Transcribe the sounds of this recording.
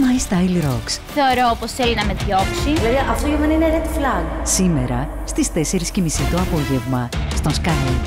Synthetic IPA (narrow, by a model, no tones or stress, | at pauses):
mɐjist̪ɐjilɾoksθe̞oɾooposθelinɐme̞ðʝo̞psiilɐðiʔɐft̪oʝemenɐineɾet̪i̥flɐɡsime̞̰ɾɐ | st̪ist̪e̞se̞ɾiscimisit̪uɐpo̞ʝe̞vmɐst̪o̞nskɐn